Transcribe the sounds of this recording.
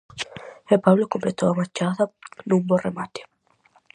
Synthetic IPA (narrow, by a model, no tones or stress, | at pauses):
epaβlokomplet̪owamat͡ʃaðɐnũmboremat̪e̥